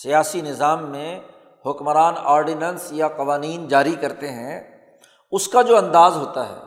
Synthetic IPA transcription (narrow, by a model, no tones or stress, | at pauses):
sijaːsinɪzaːmːẽ | ɦʊkmɾaːnaːɾɖɪnənsjaqɐʋaːniːnd͡ʒaːɾikɐɾt̪eɦɛ̃ | ʊskad͡ʒoːɐ̃nd̪aːzɦoːt̪aɦɛ̰ː